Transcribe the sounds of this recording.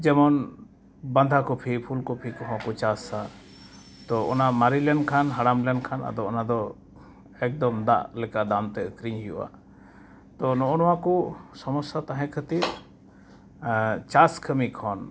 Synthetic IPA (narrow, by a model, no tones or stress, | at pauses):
d͡ʒɛmɔn | band̪ʱakɔpʰipʰulkɔpʰikɔɦɔ̃kɔt͡ʃasa | t̪ɔɔ̰namaɾilɛnkʰanɦaɽamlɛnkʰanʔa̰d̪ɔɔnad̪ɔ | ɛk̚d̪ɔmd̪a̰ʔlɛkaʔd̪amt̪ɛkɾiɲɦijṵʔa̰ | t̪ɔnɔʔɔnɔwakɔsɔmɔsat̪ãɦɛ̃kʰət̪iɾ | t͡ʃaskʰəmikʰɔn